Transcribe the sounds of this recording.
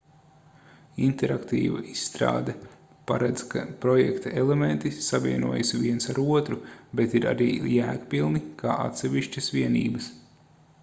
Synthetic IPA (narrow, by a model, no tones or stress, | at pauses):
int̪ɛɾakt̪ḭːva̰ʔisːt̪ɾa̰ːd̪a | pa̰ɾɛd̪z̥kʰapɾɔjɛ̰kt̪aelˠement̪isaviɛnuɔjasʋʲiɛnsaɾuɔt̪ɾubet̪iɾa̰ɾiːjæːkpilˠnikʰaːʔa̰t̪sɛʋiʃt͡ʃɐsʋiɛnḭːbɐs